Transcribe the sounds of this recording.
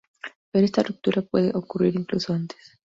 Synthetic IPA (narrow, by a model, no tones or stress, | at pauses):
peɾest̪aruk̚t̪uɾʔapweðḛʔokuriɾiŋklusoant̪e̥s